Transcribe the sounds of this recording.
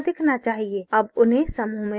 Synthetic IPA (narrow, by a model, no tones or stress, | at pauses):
d̪ɪkʰnat͡ʃaːɦieəbʊnɦẽsəmuɦmẽ